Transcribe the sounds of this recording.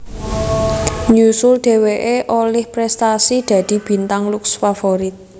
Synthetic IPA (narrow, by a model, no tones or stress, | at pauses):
ɲusʊlɖ̪̥e̤weʔeʔolɪhpɾɛst̪asid̪̥ä̤d̪̥i̤b̥i̤nt̪aŋlʊksfafoɾɪt̪̚